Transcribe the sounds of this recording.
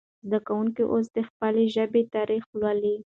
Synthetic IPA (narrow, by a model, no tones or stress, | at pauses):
zd̪akawuŋkiʔos̬d̪əxpəleʒəbet̪ɑɾʔixlwali